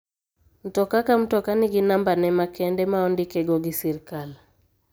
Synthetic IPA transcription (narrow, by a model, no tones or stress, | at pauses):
m̩tɔkakam̩tɔkaniɡinambanɛmakɛndɛmaɔndikɛɡɔɡisiɾkal